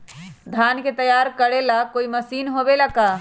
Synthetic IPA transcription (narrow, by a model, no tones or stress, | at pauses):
d̪ʱanket̪əjaɾkəɽelakoiməsiːnɦobelaka